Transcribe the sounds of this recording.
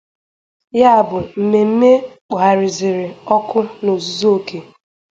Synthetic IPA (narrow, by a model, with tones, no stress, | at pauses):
ja˦a˨bʊ˨m̩˨me˨m̩˦me˦k͡pa˨a˨ɾɪ˨zɪ˨ɾɪ˨ɔ˦kʊ˦no˨zu˦zo˦o˦ke˨